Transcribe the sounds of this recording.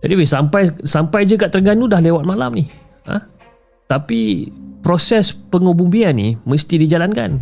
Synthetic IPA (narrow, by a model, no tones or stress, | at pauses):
d͡ʒadiwisampajsampajd͡ʒuɡaʔt̪əɾɡanudahlewat̪̚malamnih | a̰ | t̪apipɾosɛspəŋubumbianḭməst̪idid͡ʒalanka̰n